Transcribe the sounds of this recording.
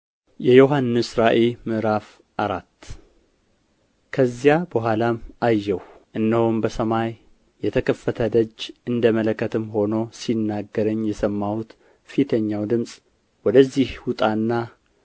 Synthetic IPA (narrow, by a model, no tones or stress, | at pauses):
jɛjo̞ɦanːɨsɾaʔelmɨʔɾaf | ʔaɾat̪ː | kʰəzːijabəɦʷalamajːɛwʔɨnːəhombəsəmajː | ɛt̪ʰəkʰəfːət̪ʰəd̪əd͡ʒːʔɨnd̪əmələkːət̪ʰɨmɦo̞no̞sinːaɡːəɾəɲːjɛsəmːawut̪ | fit̪ʰəɲːawd̪ɨmsʼ | wɔd̪əzːihwʊt̪ʼanːa